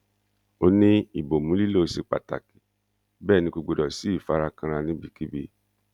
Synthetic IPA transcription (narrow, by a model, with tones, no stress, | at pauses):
o˧nĩ˦i˨bo˨mũ˨˦li˦lo˦˨˧si˧k͡pa̰˨ta̰˨ki̥˨ | bɛː˦˨nĩ˧ɡo˧ɡ͡bo˧dɔ˨si˨˦i˦˨fa˨˧ɾa˧kã˧ɾ̃ã˧nĩ˦bi˦˨ki˦bḭ˧